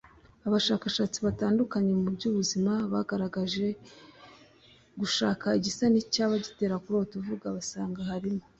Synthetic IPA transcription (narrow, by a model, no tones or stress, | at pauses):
aβaʃaːkaʃaːt͡siβataːndukaɲe̞ubɟuːβuzimaβaɡaɾaɡaʒe̞ | ɡuʃaːkaiɟisanicaβaɟite̞ːɾakuɾo̞tuvuɡaβasaːŋɡahaɾimo